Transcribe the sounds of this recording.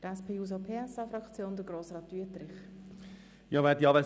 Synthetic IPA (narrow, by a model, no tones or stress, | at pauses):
dəɾɛspʰeːuːzopʰeːɛsɑfɾɑkt͡sjoːndəɡɾoːsrɑːtyətɾɪχ | jɑvɛd̪iɑːʋɛ